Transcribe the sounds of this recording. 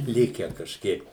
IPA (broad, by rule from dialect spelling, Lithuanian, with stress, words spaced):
ˈlʲɪkʲæː kɐʃʲˈkʲiɛk